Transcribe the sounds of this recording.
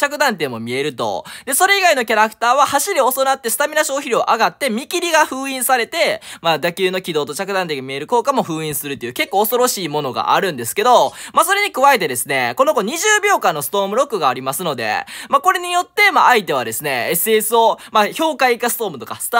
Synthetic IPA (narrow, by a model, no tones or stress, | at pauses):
t͡ɕakɯ̟d̪ãnt̪e̞ːmo̞mʲie̞ɾɯ̟t̪o̞̰d̪e̞so̞ɾe̞iɡaino̞kʲaɾakɯ̟̥t̪aːβahaɕiɾʲio̞sonat̪ːe̞sɨ̥t̪amʲiɾaɕo̞ːçiɾioʔaɡat̪ːe̞mʲikʲiɾʲiɡaɸɯ̟ːĩɰ̃saɾe̞t̪e̞mad̪akʲɨːno̞kʲid̪o̞ːt̪o̞t͡ɕakɯ̟d̪ãnt̪eːɡamie̞ɾɯ̟ko̞ːkamo̞ɸɯ̟ːĩɰ̃sɨɾɯt̪oiɯ̟ke̞kːo̞ːso̞ɾo̞ɕiːmo̞no̞ɡa̰ʔa̰ɾɯ̟̃nd̪e̞sɨ̥ke̞d̪o̞maso̞ɾe̞ɲ̟ikɯ̟βae̞t̪e̞d̪e̞sɨne̞̰ko̞no̞ɡo̞ɲ̟iʑɨːbʲo̞ːkãnːo̞sɨ̥t̪o̞ːmɯ̟ɾo̞kːɯ̟ɡaːɾʲimasɨno̞d̪e̞̰mako̞ɾe̞ɲ̟ijo̞t̪ːe̞maːit̪e̞βad̪e̞sɨne̞esɨesɨo̞maço̞ːkaikasɨ̥t̪o̞ːmɯ̟t̪o̞kast̪